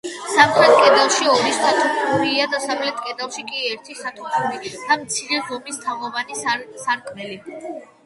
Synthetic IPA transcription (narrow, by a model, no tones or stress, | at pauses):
samχɾɛt̪̚ʰʼkʼɛd̪alˠʃiɔmisχat̪ʰɔpʰuɾiːad̪asavlɛt̪ʰʼkʼɛd̪alˠʃikʼiɛɾt̪ʰisat̪ʰɔpʰulid̪̥amt̪sʰiɾɛzɔmist̪ʰavɔvanissaɾkʼʰmɛli